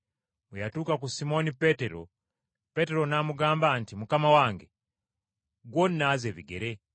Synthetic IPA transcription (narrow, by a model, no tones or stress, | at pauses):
mujatuːkakusimo̞nipeteɾo̰ | pe̞teɾo̞namuɡaːmbantimukamawaːŋɡe | ɡwonːazeβiɡḛɾe